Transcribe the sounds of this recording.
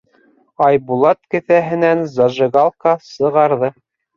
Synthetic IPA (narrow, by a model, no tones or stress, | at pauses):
ɑjbulˠɑt̪kɘ̆θæɦɘ̆nænzɑʒɤ̆ɡɑlˠkɑsɤ̆ʁɑɾðɤ